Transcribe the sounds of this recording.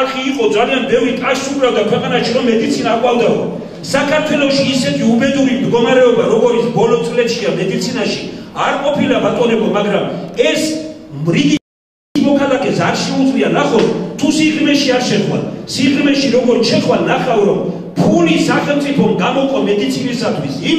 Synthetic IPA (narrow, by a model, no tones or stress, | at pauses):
lχiːqʼɔd̪zalianbɛvɾit̪ʼasubɾavd̪akʰwɛqʼanaʃiɾɔmːɛd̪it̪sʰinaqʼwavd̪aɔ̰ | sakʰaɾt̪ʰwɛlˠɔʃiːsɛt̪ʰiubɛd̪uɾimd̪ɡɔmaɾɛɔbaɾɔɡɔɾit̪sʰbɔlɔt̪sʼlɛt̪ʃiamɛd̪it̪sʰinaʃiaɾqʼɔpʰilavat̪ʼɔnɛbɔmaɡɾamɛsmɾid̪i | mɔkʰalakʰʼɛsaɾʃɛut̪sʼlianaχɔst̪ʰusiχɾmɛʃiaɾʃɛχwa̰nsiχɾmɛʃiɾɔɡɔɾt̪ʃʰɛχwannaχawɾɔm | pʰulisaχɛlmt̪sʼipʰɔmɡamɔkʼɔmɛd̪it̪sʰinisat̪ʰwisi